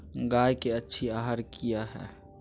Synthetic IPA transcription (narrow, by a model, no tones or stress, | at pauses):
ɡajkeətːʃʰiaɦəɾkijaɦɛ̰ː